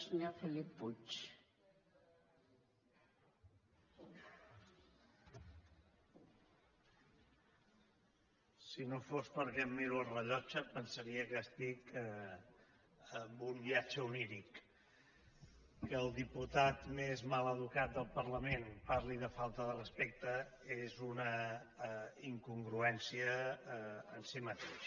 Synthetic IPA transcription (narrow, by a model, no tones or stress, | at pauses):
səɲofəlipːut͡ʃ | sinofospəɾkɛmːiɾuəlˠrəʎɔt͡ʃəpənsəɾiəkəst̪ikə | əmbumbiat͡ʃəuniɾik | əːlˠd̪iput̪at̪mezmaləðukat̪̚d̪əlˠpərləmenpaɾliðəfalˠt̪əðərəspek̚t̪əezunə | iŋkuŋɡɾuɛnsiə | ənsimət̪eʃ